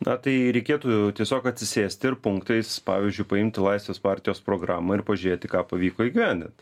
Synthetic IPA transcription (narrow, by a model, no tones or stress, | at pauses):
nɐt̪ɐɪɾʲɛɪkʲeːt̪uːt̪ʲiɛsʲoːkɐt̪ʲsʲɪsʲeːsʲt̪ʲɪɪɾpʊŋkt̪ɐɪspɑ̰ːʋʲiɪzʲd͡ʒʲʊɪpɐɪmʲt̪ʲɪlˠɐɪsʲʋʲeːspɑːɾʲt̪ʲɪjoːspɾoːɡɾɑːmɐɪɾpɐʒʲʊɾʲeːt̪ʲɪkɑːpɐʋʲiːkoːiɡʲɪʋʲænʲd̪ʲɪ̰nt̪